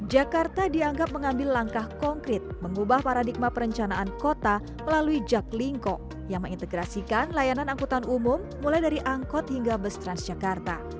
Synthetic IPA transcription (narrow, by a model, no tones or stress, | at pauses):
d͡ʒakart̪adiaŋɡap̚məŋambɪlːaŋkahkɔŋkɾɪt̪̚məŋubahpaɾadik̚mapəɾəɲt͡ʃanaʔankot̪a | məlaluid͡ʒakliŋkɔ | jaŋməŋint̪əɡɾasikanlajananaŋkut̪anumumːulajdaɾiʔaŋkɔt̪̚hiŋɡabəst̪ɾansd͡ʒakart̪a